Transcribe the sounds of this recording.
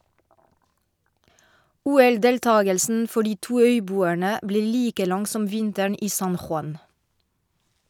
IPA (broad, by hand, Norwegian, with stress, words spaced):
ˈuːɛlˌdeːlˌtɑːɡəlsn̩ ˈfɔ ˈɖiː ˈtuː ˈœʏˌbuːæɳə ˈbleː ˈliːkə ˈlɑŋ ˈsɔm ˈʋɪntæɳ ˈiː ˈsɑn xʊˈɑn